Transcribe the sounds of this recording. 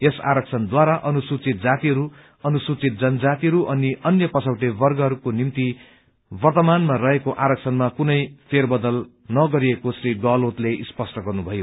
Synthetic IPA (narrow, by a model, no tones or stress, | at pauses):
esa̰ɾʌksʰʌnd̪waɾaʔʌnusut͡sit̪̚d͡zat̪iɦʌɾu | ʌnusut͡sit̪̚d͡zʌnd͡zat̪iɦʌɾuʔʌniʔʌnjʌpʌt͡sʰʌwʈebʌrɡʌɦʌɾukonimt̪i | bʌrt̪ʌmanmarʌɦekoʔaɾʌk̚sʰʌnmakunʌjpʰerbʌd̪ʌl | nʌɡʌɾiekosɾiɡʌlot̪leʔispʌsʈʌɡʌrnubʱʌjo